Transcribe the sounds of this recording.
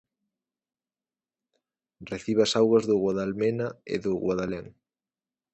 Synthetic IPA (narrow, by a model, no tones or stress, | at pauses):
reθiβɐsawɣɐzðʊɣwaðalmenaḛðʊɣwaðaleŋ